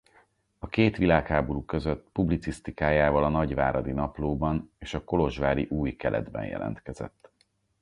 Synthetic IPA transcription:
ɒkeːt̪ʋilaːkhaːbo̞ɾuːkø̞zøt̪ːpublit̪sist̪ikaːjaːvɒlɒnɒɟvaːɾɒd̪inɒploːbɒneːʃɒko̞lo̞ʒʋaːɾiʔuːjkɛlʔɛ̰d̪bɛ̰njɛ̰lʔɛ̰nt̪kɛzɛ̰t̪ː

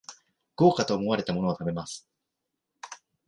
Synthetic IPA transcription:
ɡ̥o̞ːkat̪o̞ːmo̞βaɾe̞t̪amo̞no̞at̪ame̞masɨ̥

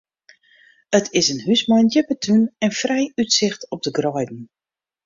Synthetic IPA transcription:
ətʰɪsənɦysmɔjnjəpətʰunɛnfrɛjytsɪxtɔp̚dəɡrɔjdn̩

